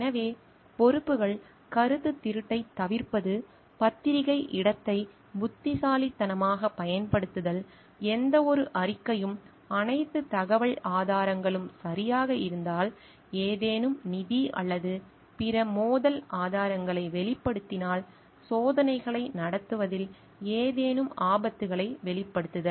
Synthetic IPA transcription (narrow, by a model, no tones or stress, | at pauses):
ɛnɐʋeː | pɔɾɯpːɯɣɐɭ | kɐɾɯt̪ːɯt̪ːɪɾɯʈːɐɪt̪ːɐʋɪɾpɐðɯ | pɐt̪ːɪɾɪɣɐɪʔɪɽɐt̪ːɐɪ | bʊt̪ːɪsaːlɪt̪ːɐnɐmaːɣɐpɐjɐnpɐɽɯt̪ːɯðɐl | ɛnd̪ɐɔɾɯʔɐɾɪkːɐjɯm | ɐnɐɪt̪ːɯt̪ɐɣɐʋɐɭaːðaːɾɐŋɡɐɭɯmsɐɾɪjaːɣɐɪɾɯnd̪aːl | eːðeːnɯmnɪðiɐ̰ɭːɐðɯ | pɪɾɐmoːðɐlʔaːðaːɾɐŋɡɐɭɐɪʋɛɭɪpːɐɽɯt̪ːɪnaːl | soːðɐnɐɪɣɐɭɐɪnɐɽɐt̪ːɯʋɐðɪl | eːðeːnɯmaːbɐt̪ːɯɣɐɭɐɪʋɛɭɪpːɐɽɯt̪ːɯðɐ